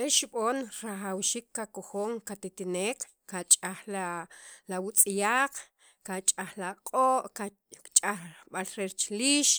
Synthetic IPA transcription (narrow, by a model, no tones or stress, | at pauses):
ʔeʃiɓoːnɾaχawʃiːkːakoxoːŋkat̪it̪ineːkːat͡ʃʼaχlalawut͡sʼijaːq͡χ | kat͡ʃʼaχlaqʼoːʔka | t͡ʃʼaχaɓalɾeɾt͡ʃliːʃ